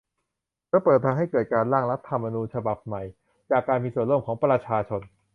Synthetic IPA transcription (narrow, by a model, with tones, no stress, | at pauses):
lɯː˥˩pɤː˨˩t̪ʰːa˧ŋɦa˥˩jkɤː˨˩t̪̚kaː˧nlaː˥˩ŋɾa˦˥p̚t̪ʰːa˧mːa˧nuː˧nt͡ɕʰa˧ba˨˩p̚ma˨˩j | t͡ɕaː˨˩kːaː˧nmiː˧su˨˩ənlu˥˩˨mkʰɔː˩˦ŋpɾa˧t͡ɕʰaː˧t͡ɕʰo˧n